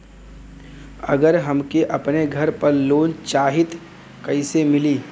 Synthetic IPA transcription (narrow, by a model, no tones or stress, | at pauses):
ɐ̰ɡəɾɦɐmkeʔɐpneɡʱɐɾpəɾloːnt͡ʃaːɦɪt̪ | kɐɪsemɪliː